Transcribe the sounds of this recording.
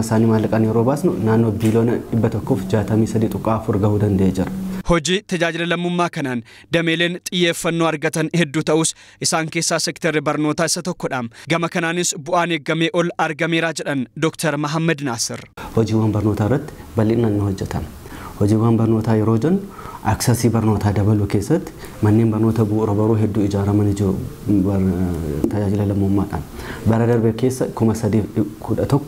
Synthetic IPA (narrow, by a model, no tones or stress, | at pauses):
ɪsaːniːmaːlːɐkʼɐnjɛɾoːbaːsnʊnaːnːoːbiːlo̞ːnɐᶑɪbːɐt̪ɔkːoːfd͡ʒaːt̪ɐmiːsɐd̪iːt̪ʼʊkʼːaːfʊɾɡɐhuːd̪ɐnd̪ɐʔeːd͡ʒɪɾɐ̥hɔd͡ʒiːt̪ɐd͡ʒaːd͡ʒɪlɐlɐmːʊmːaːkɐnaːn | d̪ɐmeːle̞ːnt̪ʼɪjːeːfːɐnːoːɐɾɡɐt̪ɐnhɛd̪ːuːt̪ɐʔuːs | ʔɪsaːŋke̞ːsːaːsɛkt̪ɛɾɪbɐɾno̞ːt̪aːɪsɐt̪ɔkːɔᶑaːmɡɐmɐkɐnaːnɪsbʊʔaːneːɡɐmeːʔɔlɐɾɡɐme̞ːɾaːd͡ʒɛᶑɐnd̪ɔkt̪ɐɾmɐɦɐmːɐd̪naːsɪrhɔd͡ʒiːwaːnbɐɾno̞ːt̪aːɪrːɐt̪ːɪ̥bɐlːɪnɐnːohɔd͡ʒːɛt̪ɐm | hɔd͡ʒiːwːaːnbɐɾno̞ːt̪aːjɛɾoːd͡ʒɐnːʔɐksɐsiːbɐɾno̞ːt̪aːd̪ɐbɐluːkeːsːɐt̪ːɪ̥ | mɐnːeːnbɐɾno̞ːt̪ɐbuːʔɾɐbɐɾuːɦɛd̪ːuːɪd͡ʒaːɾɐmɐnɪd͡ʒo | t̪ɐd͡ʒaːd͡ʒɪlɐlɐmːomːaːᶑɐ̰mbɐɾɐd̪ɐɾbɛkeːsːɐkʊmɐsɐd̪iːfkʰʊᶑɐt̪ɔkːɔ̥